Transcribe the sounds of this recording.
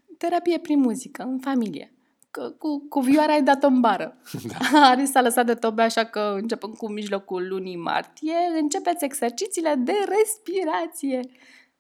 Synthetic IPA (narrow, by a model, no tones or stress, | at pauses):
t̪e̞ɾapijepɾinmuzikəɨnfamilḭjḛ | kukuviuaɾeajd̪at̪oɨmbaɾə | aɾisaləsat̪̚d̪e̞t̪obeaʃakəɨnt͡ʃe̞pɨnd̪̚kumiʒlo̞kuːunima̰rt̪ije̞ɨnt͡ʃe̞pet̪sʲe̞ɡse̞rt͡ʃit̪sile̞d̪e̞re̞spiɾat̪sije̞